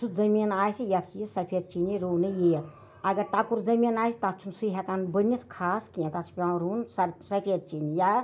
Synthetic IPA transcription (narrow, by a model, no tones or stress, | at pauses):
sʰuzɐminaːjsijat̪ʰijisɐpʰeːt̪̚t͡ʃiniɾoːnɨjejɐt̪ | ɐɡɐɾt̪akuɾd͡zɐmʲinaːjsi̥t̪at͡ʃʰunsuɦɛk̪aːnbənit̪ʰkʰaːskijẽt̪at͡ʃʰu̥pʲãɾuːnsɐsɐpʰet̪̚t͡ʃinija